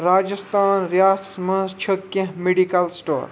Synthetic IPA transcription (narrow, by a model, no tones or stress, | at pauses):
ɾaːd͡ʒəst̪ʰaːnɾjaːssmɐ̃nst͡ʃʰəkːẽɦmeɖikɐlsʈo̰ːɾ